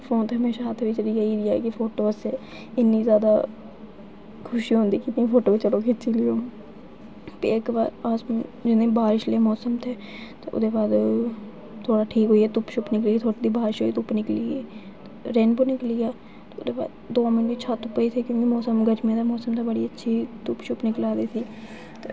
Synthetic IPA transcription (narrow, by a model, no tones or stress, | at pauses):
fʰoːnt̪ʰːɦɐmeːʃaat̪ʰʋit͡ʃəɽijaiːd̪ɪjaːkifʰoːʈoːseː | ɪnːiːzjaːd̪aː | kʰʊʃiɦõːnd̪iːkit̪ĩfʰoːʈoːit͡ʃəɽoːkɪt͡ʃilioː | peeːkba̰ːɾaːsmd͡ʒɪnẽːbaːɾɪʃlemɔːsəmt̪ʰeː | t̪eʊ̰d̪eːbaːd̪ | t̪ʰoːɽaːʈʰiːkɦoːiːɛːt̪ʊpʃʊpnɪkliːɛt̪ʰoːɽid̪iːbaːɾɪʃɦoːiːt̪ʊpnɪkliːeː | t̪ | ɾeːnboːnɪkliːaː | t̪eːʊd̪eːba̰ːd̪d̪oːmɪnʋiːt͡ʃʰaːt̪ʊpːəiːt̪ʰiːkjõːkimɔːsəmɡəd͡ʒmẽːd̪aːmɔːsəmd̪aːbəɽḭːətːʃʰiːt̪ʊpʃʊpnɪklaːd̪iːsiː | t̪eː